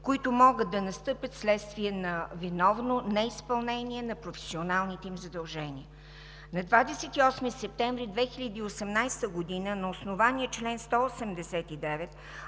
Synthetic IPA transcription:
koit̪ʊmɔɡət̪̚ːɐnɐst̪ɤpʲət̪slɛt̪st̪viɛnɐvinɔvnonɛispɐlˠnɛniɛnɐpɾofɛ̥sionalˠnit̪ɛimzɐd̪ɐlˠʒɛniə | nɐd̪vad̪ɛsɛt̪iɔsmisɛp̚t̪ɛɱvɾid̪vɛxiʎʲəd̪iːosɛmnajst̪əɡod̪inənɐosnovaniɛt͡ʃlɛnst̪ɔosɛmd̪ɛsɛt̪id̪ɛvɛt̪

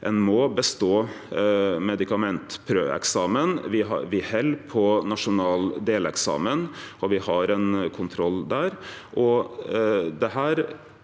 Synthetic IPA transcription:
ʔɛnmɔbəst̪oː | mɛd̪ɪkɑmɛnt̪pʰɾø̰ːɛ̰ksɑːmənʋɪɦɑ̰ʋɪhɛlpʰɔnɑʂʊnɑːld̪eːlɛksɑ̰ːmənɔʋɪhɑɾɛnkʰʊnt̪ʰɾɔlːd̪æːɾʔɔ | d̪ɛɦæːɾ

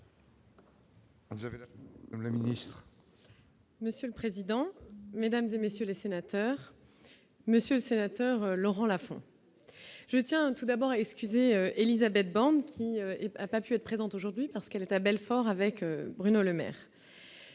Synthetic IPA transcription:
vzavlaminist̪χ | məsjøləpχezid̪ɑ̃med̪amzemesjølesenat̪œʁ | məsjøləsenat̪œʁølɔʁɑ̃lafɔ̰̃ | ʒ̥ət̪jɛ̃t̪ud̪abɔʁaɛkskʲyzeøelizabɛt̪̚bɑ̃d̪kʲʰiøɛapapyɛt̪χpχezɑ̃t̪oʒuʁd̪ɥipaʁsə̥kɛlɛt̪abɛlfɔʁavɛkøbʁynoləmɛ̰ːʁ

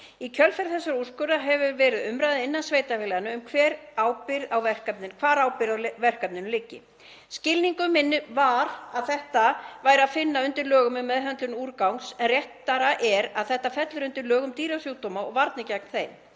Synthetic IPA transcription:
icʰœlfɛɾ̥θɛsːaɾur̥skʏɾaɦɛvʏɾvɛːɾɪðʏmɾajðɪɪnːansvejt̪afɪlɛɣanʏːmkʰvɛːɾaːwpɪɾawvɛr̥kapnɪnkʰvaːɾawpɪɾavɛr̥kap̚nɪnʏlɪcːɪ̰ | scɪlniŋkʏmːɪnːɪvaɾaðθɛht̪avaːjɾaðfɪnːaʏnt̪ɪɾlœːɣʏmʏmːɛðɦœnt̪lʏnuːɾkawŋksɛnrjɛht̪ːaɾaʔɛɾaðθɛht̪afɛt̪lʏɾʏnt̪ɪɾlœːɣʏmt̪iːɾawsjuːwt̪omaɔɣvaɾt̪nɪcaknθejm

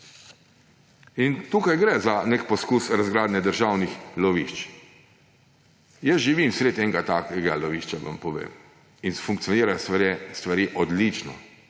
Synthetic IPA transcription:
int̪uːkajɡɾɛzanekpɔskusɾazɡɾaːd̪nɛd̪əɾʒawnixlɔʋiʃt͡ʃ | jəsʒiʋimsɾet̪ɛŋɡat̪akɛɡalɔʋiʃt͡ʃaʋa̰mpɔʋḛːm | infuŋkt̪sijɔniːɾast̪ʋaɾiʔɔd̪lit͡ʃnɔ̰

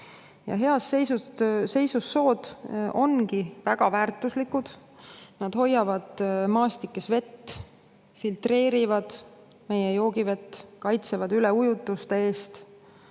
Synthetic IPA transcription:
jɑ̰ɦe̞ɑsejsuse̞jsusːo̞ːd̪̥ʔo̞nkivæɡ̥ɑvæːrt̪ːˑuslikːud̪̥ | nɑd̪̥ho̞jːɑvɑd̪̥mɑːst̪ikːesve̞t̪ː | filt̪re̞ːɾivɑd̪̥ | me̞jejo̞ːɡive̞t̪ːkɑjt̪sevɑd̪yle̞ujut̪ːˑust̪ee̞ːst̪

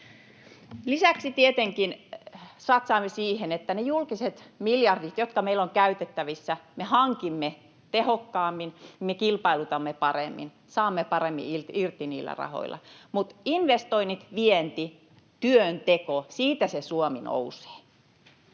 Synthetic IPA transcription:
lisæksit̪iet̪eŋkinsɑt̪sɑːmːesiːhenet̪ːænejulkiset̪miljɑrdit̪jot̪̚kɑmeiloŋkæyt̪et̪ːæʋisːæmehɑŋkimːe | t̪ehokːɑːmːinmekilpɑilut̪ɑmːepɑremːḭn | sɑːmːepɑremːḭirirt̪ːiniːlːæ̰rɑ̰ho̰ilʔɑ̰mut̪inʋest̪oinit̪ʋient̪i | t̪yønt̪ekosiːt̪æsesuomino̰use̥ː

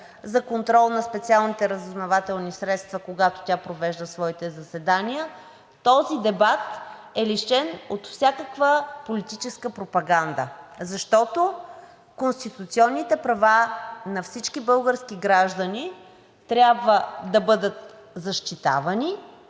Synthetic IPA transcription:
zɐkont̪ɾɔlˠnɐspɛt̪sialˠnit̪ɛɾəzoznɐvat̪ɛlˠnisɾɛt̪st̪vɐkoɡat̪o̥t̪ʲapɾovɛʒd̪əsvɔit̪ɛzɐsɛd̪anijə | t̪ɔzid̪ɛbat̪ | ɛliʃɛnot̪fsʲjakəkvəpolit̪it͡ʃɛskəpɾopɐɡand̪ə̰zɐʃt̪ɔt̪o | konst̪it̪ut̪siɔnːit̪ɛpɾɐvanɐfsit͡ʃkibɤlˠɡəɾskiɡɾaʒd̪əni | t̪ɾʲabvəd̪ɐbɤd̪ət̪̚zɐʃt̪it̪a̰vɐni

